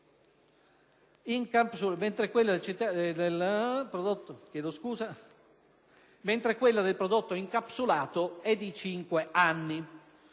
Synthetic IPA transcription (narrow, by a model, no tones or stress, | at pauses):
iŋkapsument̪ɾekwelːad̪elt͡ʃit̪ːad̪elpɾod̪ot̪ːokjɛːd̪oskuːza | ment̪ɾekwelːad̪elpɾod̪ot̪ːoiŋkapsulaːt̪oɛd̪ːit͡ʃiŋkweanːi